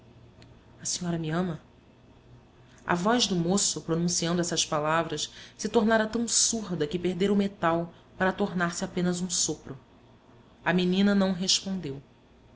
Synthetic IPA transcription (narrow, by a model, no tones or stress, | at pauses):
ɐsiɲɔɾɐmiɐ̃mɐ | ɐ̰vɔjʒd̪ʊmosʊpɾonũsiɐ̃nd̪ʊɛsɐspalavɾɐssɪt̪oɾnaɾɐt̪ɐ̃w̃suɾd̪ɐkɪpeɦd̪eɾɐʊmet̪aw | paɾɐt̪oɾnaɾsɪapẽnɐzũsopɾʊ | ɐminĩnɐnɐ̃w̃ɦeʃpõnd̪ew